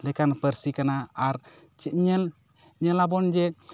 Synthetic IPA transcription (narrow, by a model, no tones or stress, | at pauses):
lɛkanapəɾsikanaːɾ | ɲɛ | ɲɛlabɔnd͡ʒɛ